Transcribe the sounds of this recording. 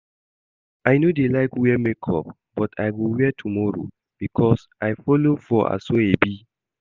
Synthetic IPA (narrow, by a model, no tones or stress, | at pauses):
ajnodelaɪkwiɛmekʰɔ̰p̚ | b̥ɔtʰajwiwɛtʰumɔɹo̰ | b̥ikʰɔs | ajfɔlofɔʔa̰soebi